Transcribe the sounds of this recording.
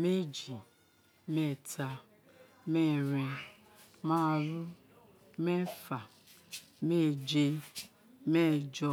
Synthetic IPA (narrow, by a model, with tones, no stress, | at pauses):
me˦d͡ʒi˨ | mɛ˦˨tʰa˧ | mɛ˦ɾɛ̃˧ | ma˦˨ɾu˦ | mɛ˦fa˨ | me˦d͡ʒe˧ | me˦d͡ʒɔ˧